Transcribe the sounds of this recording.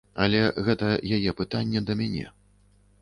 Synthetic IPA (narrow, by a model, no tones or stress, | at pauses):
ɐlʲɛɣɛt̪ɐjajɛpɨt̪anʲːɛd̪ɐmʲanʲɛ̰